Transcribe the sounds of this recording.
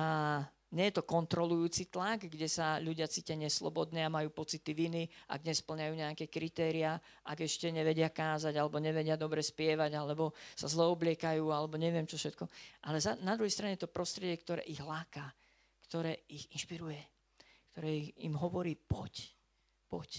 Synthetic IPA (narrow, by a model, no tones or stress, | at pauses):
a | ɲɛjɛt̪ɔkɔnt̪ɾɔlujuːt͡sit̪laɡɡɟɛsaʎuɟɪat͡siːcɛɲɪɛslɔ̰bɔd̪nɛamajuːpɔt͡sit̪iʋiniʔa̰ɡɲɛspl̩ɲajuːɲɛakɛkɾit̪ɛːɾia | ʔaɡɛʃcɛɲɛʋɛɟɪakaːzaɟalɛbɔɲɛʋɛɟɪad̪ɔbɾɛspɪɛʋaɟalɛbɔsazlɛɔblɪɛkajuːalɛbɔɲɛʋɪɛmt͡ʃɔfʃɛt̪kɔʔalɛzanad̪ɾuɦɛjst̪ɾaɲɛjɛt̪ɔpɾɔst̪ɾɪɛɟɪɛkt̪ɔɾɛ̰ːʔiɣlaːkaː | kt̪ɔɾɛːixinʃpiɾujɛ | kt̪ɔɾɛːiḭmɦɔʋɔɾiːpɔc | pɔc